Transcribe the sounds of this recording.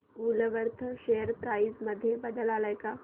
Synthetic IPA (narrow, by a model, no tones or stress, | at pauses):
uləʋəɾt̪ʰəʃejəɾpɾaːisməd̪ʱjebəd̪əlaːləjka